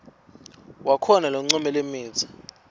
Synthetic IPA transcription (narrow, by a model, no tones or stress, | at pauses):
wakʰɔnalɔŋ͡ǀɔmɛlemiːt͡sʰḁ